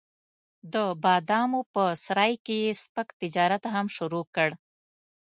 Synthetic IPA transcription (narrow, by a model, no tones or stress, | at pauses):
d̪əbɑd̪ɑmopəsɾɑjkejespəkt̪ɪd͡ʒɑɾat̪aɦamʃʊɾokəɽ